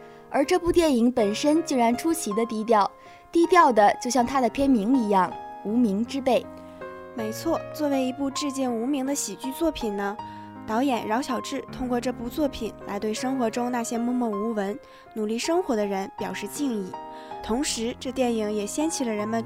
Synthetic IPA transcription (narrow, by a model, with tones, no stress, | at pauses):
ə˞˧˥ʈ͡ʂɤ˥˧pu˥˧t̪jɛ˥˩ni˧˥ŋpə˨˩nʂə˥nt͡ɕi˥˩ɻa˧˥nʈ͡ʂʰu˥ɕʰi˧˥d̪ə˧t̪i˥˧t̪jɑ˥˩ʊ | t̪i˥˧t̪jɑ˥˩ʊd̪ə˩t͡ɕjo˥˧ʊɕjɑ˥˩ŋt̪ʰa˥d̪ə˨pʰjɛ˥nmi˧˥ŋi˧˥jɑ˥˩ŋu˧˥mi˧˥ŋʈ͡ʂɻ̩˥pe˥˩ɪ | me˧˥ɪt͡sʰwɔ˥˩t͡swɔ˥˩we˧˥ɪi˧˥pu˥˧ʈ͡ʂɻ̩˥˧t͡ɕi˥˩nu˧˥mi˧˥ŋd̪ə˧ɕi˨˩t͡ɕy˥˧t͡swɔ˥˩pʰi˨˩nnə˦ | t̪ɑ˧˥ʊjɛ˨˩nɻɑ˧˥ʊɕjɑ˨˩ʊʈ͡ʂɻ̩˥˩t̪ʰʊ˥ŋkwɔ˥˧ʈ͡ʂɤ˥˩pu˥˧t͡swɔ˥˩pʰi˨˩nla̰˧˥ɪt̪we˥˩ɪʂɤ˥ŋxwɔ˧˥ʈ͡ʂʊ˥ŋna˥˩ɕjɛ˥mɔ˥˧mwɔ˥˩u˧˥wə˧˥n | nu˨˩li˥˩ʂɤ˥ŋxwɔ˧˥d̪ə˧ɻə˧˥npjɑ˨˩ʊʂɻ̩˥˧t͡ɕi˥˧ŋi˥˩t̪ʰʊ˧˥ŋʂɻ̩˧˥ʈ͡ʂɤ˥˧t̪jɛ˥˩ni˨˩ŋjɛ˨˩ɕjɛ˥nt͡ɕʰi˨˩lə˦ɻə˧˥nmə˧n